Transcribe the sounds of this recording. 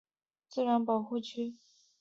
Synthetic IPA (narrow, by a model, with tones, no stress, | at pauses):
t͡sɹ̩˥˩ɻa˧˥npɑ˨˩ʊxu˥˧t͡ɕʰy˥˩